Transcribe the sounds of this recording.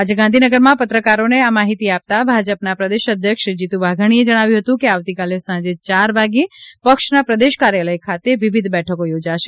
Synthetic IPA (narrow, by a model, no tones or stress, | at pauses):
ad͡ʒeɡãnd̪ʱinəɡəɾmãpət̪ɾəkaɾoneamaɦit̪iap̚t̪abʱad͡ʒəpnapɾəd̪eʃəd̪ʱjəkʃd͡ʒit̪ũʋaɡʱəɽ̃ied͡ʒəɽ̃aʋjũɦət̪ũkeaʋt̪ikalesãd͡ʒet͡ʃaɾʋaɡipəkʃnapɾəd̪eʃkaɾjaləjkʰat̪eʋiʋid̪ʱbɛʈʰəkojod͡ʒaʃe̥